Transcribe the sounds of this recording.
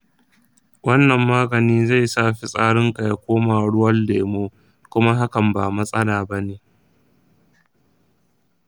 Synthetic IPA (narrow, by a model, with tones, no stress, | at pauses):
wɐ˦nːɐ˨mːaː˦ɡɐ˨niː˦za˦˨jsaː˦˨ɸi˨sʼaː˦ɽɪ˦ŋka˨ja˨kʷoː˦maː˨ɽʊ˦wɐ˦ldeː˨moː˦ | kʷʊ˦ma˦ɦa˦kɐ˨mbaː˨mɐ˦sʼɐ˦laː˨bɐ˦neː˨